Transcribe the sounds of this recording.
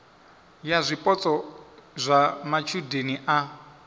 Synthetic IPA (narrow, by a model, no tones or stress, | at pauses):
jazʷipʼɔt͡sʼɔzʷamat͡ʃʰudeniʔa